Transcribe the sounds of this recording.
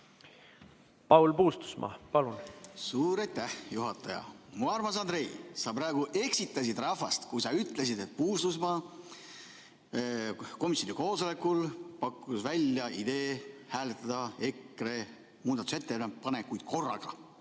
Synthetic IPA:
pɑwlpuːst̪u̥smɑ̰ːpɑlunsuːɾɑjt̪ːˑæhjuɦɑt̪ːˑɑjɑ̰muɑrmɑs̬ɑnd̪ɾe̞jsɑpɾɑːɡ̥uʔe̞ksit̪ːˑɑs̬id̪̥rɑfɑst̪kujsɑyt̪ˑle̞sid̪et̪̚puːst̪usmɑː | ko̞misʲːˑonʲiko̞ːso̞le̞kːˑulpɑkːˑusvælʲjɑʔid̪e̞ːhæːlet̪ːˑɑd̪̥ɑe̞kre̞ | muːd̪ɑt̪u̥se̞t̪ːenepɑne̞kujd̪̥ko̞rːɑ̰ɡ̥ɑ

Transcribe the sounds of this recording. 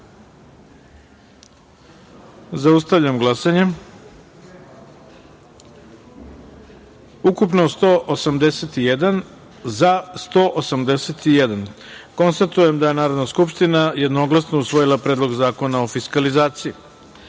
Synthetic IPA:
zaust̪aʋʎamɡlˠasaɲe | ukupno̞st̪oʔosamd̪eset̪ijed̪an | zast̪o̞ʔosamd̪eset̪ijed̪anko̞nst̪at̪uje̞md̪aje̞naːɾo̞d̪naskupʂt̪inaje̞d̪no̞ɡlˠasno̞usʋo̞jilˠapɾe̞ːd̪lo̞ɡzaːko̞naofiskalizaːt̪sii

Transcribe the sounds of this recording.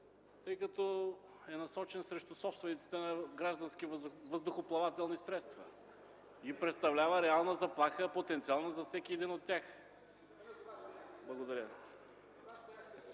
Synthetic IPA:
t̪ɤjkɐt̪ɔ | ɛnɐsɔt͡ʃɛnsɾɛʃt̪ʊsɔpst̪vɛnit̪si̥t̪ɛnɐɡɾaʒd̪ɐnsk̟ivvəzd̪ʊxoplˠɐvat̪ɛlˠnisɾɛt̪st̪vɐ | ipɾɛt̪st̪ɐvlʲavəɾɛalˠnəzɐplˠaxəpot̪ɛnt̪sialˠnəzɐfsɛkʲiɛd̪inot̪ːʲax | blˠɐɡod̪ɐɾʲə

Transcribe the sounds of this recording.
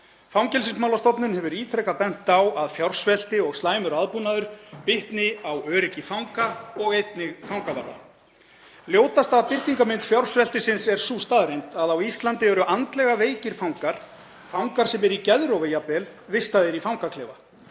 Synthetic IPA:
fawŋcɛlsɪnsmawlast̪ɔpnʏnhɛvʏɾiːt̪ʰɾɛkapɛn̥t̪awaðfjawr̥svɛl̥t̪ɪɔɣst̪laːjmʏɾaðpunaðʏɾ̥pɪht̪nɪawœːɾɪcɪfawŋkaɔɣejt̪nɪɣfawŋkava̰ɾða̰ | ljoːwt̪ast̪aðpɪr̥t̪iŋkamɪnt̪fjawr̥svɛl̥t̪ɪsɪnsɛɾ̥suːst̪aðɾejnt̪aðawist̪lant̪ɪvɛɾʏʔant̪lɛɣaveːjcɪɾ̥fawŋkaɾ̥ | fawŋkaɾ̥sɛmɛɾicɛðɾowvejapɛlvɪst̪aðɪɾifawŋkakʰlɛːva̰

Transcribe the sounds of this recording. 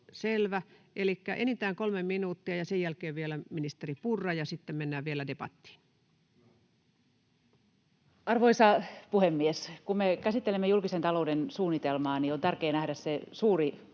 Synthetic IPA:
selʋæʔelikːæʔenit̪æːŋkolmemminuːt̪ːiɑjɑsejjælkeːʋʋielæminist̪eripurːɑjɑsit̪ːemmenːæːʋʋielædepɑ̰t̪ːi̥ːn | ɑrʋoisɑpuhemːieskummekæsit̪ːelemːejulkisent̪ɑloudensuːnːit̪elmɑːniont̪ærkeːnæhdæssesuːri

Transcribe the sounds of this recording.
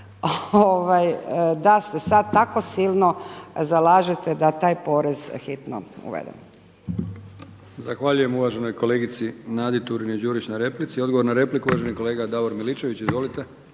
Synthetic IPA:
ooʋajd̪asesad̪̚t̪ako̞silnozalaːʒet̪ed̪at̪aːjpo̞ɾezxit̪no̰ṵʋḛd̪ḛm | zaxʋaʎuje̞muʋaʒe̞no̞jko̞leːɡit̪sinaːd̪it̪uɾined͡ʒuːɾit͡ɕnaɾe̞plit̪sio̞d̪ɡoʋo̞ɾnaɾe̞plikuʋaʒenikole̞ːɡad̪aʋoɾmilit͡ʃe̞ʋit͡ɕizʋo̞lit̪e

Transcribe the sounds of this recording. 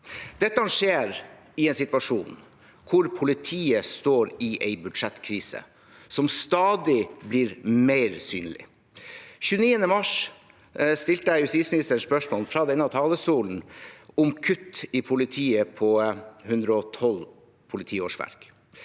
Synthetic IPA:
d̪̥ɛt̪ːəhɑnʂeːɾ | ɪɛɪnsɪt̪ʋɑʂuːn | kʰʊɾpʰʊlɪt̪ʰiːəst̪oːɾɪʔɛɪbʉd̪ʂɛt̪ːkʰɾiːsə̰ | sɔmst̪ɑːd̪ɪbliːɾmeɪɾsyːnlɪ̰ | çʉːəniːənəmɑʂ | st̪ɪlt̪əæɪjʉst̪iːsmɪnɪst̪əspœʂmoːlfɾɑːd̪ɛnːɑt̪ʰɑːləst̪uːln̩ʊmkʰʉt̪ːɪpʰʊlɪt̪ʰiːəpʰɔhʉnd̪ɾəɔt̪ʰɔl | pʰʊlɪt̪ʰiːoːʂʋæ̰ɾk

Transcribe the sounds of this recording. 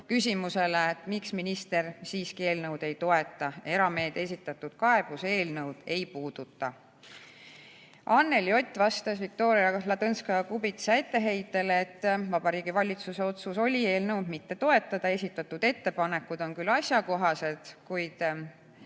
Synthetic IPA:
kysʲimuse̞leet̪ːˑmiksminist̪e̞ɾsiːskie̞ːlnɤwd̪e̞jt̪o̞e̞t̪ːˑɑe̞ɾɑme̞ːd̪̥e̞sʲit̪ːˑɑt̪ːˑud̪̥kɑe̞b̥use̞ːlnɤwd̪̥e̞jpuːd̪̥ut̪ˑːɑ | ɑnːe̞ljo̞t̪ʲːˑvɑst̪ɑsvik̚t̪o̞ːɾiɑlɑd̪ɤnskɑjɑkubit̪sɑet̪ːe̞ɦe̞jt̪ːˑe̞leet̪ːˑvɑb̥ɑɾiːɡ̥ivɑlʲit̪suse̞o̞t̪suso̞lʲie̞ːlnɤwd̪̥mit̪ːe̞t̪o̞e̞t̪ːˑɑd̪̥ɑe̞sʲit̪ːˑɑt̪ːud̪̥e̞t̪ːe̞pɑne̞kːˑud̪̥o̞nkylːɑsʲjɑko̞ɦɑse̞d̪̥kujd̪̥

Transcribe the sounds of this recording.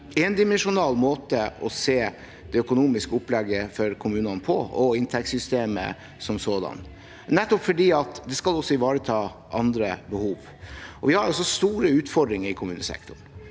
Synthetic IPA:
ɛnd̪ɪmɛnʂʊnɑːlːmoːt̪əɔseː | d̪̥ɛœkʊnuːmɪskəʊplɛɡːəfɔɾkʰʊmʉːnɑnpʰɔ̰ɔɪnt̪ʰɛkt̪sʏst̪eːmə̰ | sɔmsoːd̪ɑ̰n | nɛt̪ːɔpfɔɖiːɑt̪d̪ɛskɑlɔsːɔɪʋɑːɾət̪ʰɑːʔɑnd̪ɾəbəhuːʋ | ʔɔʋɪhɑɾɔs̬ːɔst̪uːɾəʉːt̪fɔɖɾɪŋəɾɪkʰʊmʉːnə̰sɛ̰kt̪ʊɳ

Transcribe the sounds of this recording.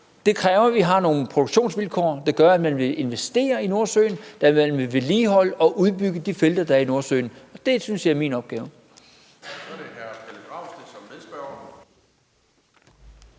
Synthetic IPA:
d̥e̝kʰʁɛːʊɐʋiɦɑ̈no̝ːn̩pʰʁod̥oɡ̥ɕo̝̰ːnsʋilkʰɒ̰ːd̥eɡ̥ɶɐæd̥mænʋe̝ʔe̝nʋesd̥e̝̰ːɐino̝ɐsø̰ːɪnd̥æmænʋe̝ʋe̝liːɦɒ̽l̰əɒ̽ʔuð̞ˠb̥yɡ̥əd̥ifeld̥ɐd̥ɑ̈æɐino̝ɐsø̰ːɪnɒ̽d̥e̝synsjɑ̈ɪæɐmḭnɒ̽b̥ɡ̥ɛːʊə̥ | d̥ehæɐt͡sʰeləɡ̥ʁɑ̈ʊsesɒmmeðˠsb̥æɐ

